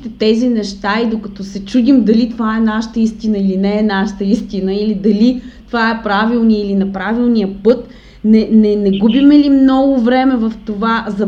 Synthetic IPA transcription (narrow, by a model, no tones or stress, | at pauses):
t̪ɛt̪ɛzinɛʃt̪aid̪okɐt̪ɔsɛt͡ʃud̪imd̪ɐlit̪ovaɛnaʃə̥t̪əist̪inəilinɛːnaʃə̥t̪əist̪inəilid̪ɐlit̪ovaɛpɾavilˠnijəilinɐpɾavilˠnijəpɤt̪ | nɛnɛnɛɡubimɛlimnɔɡʊvɾɛmɛvɐft̪ovazɐ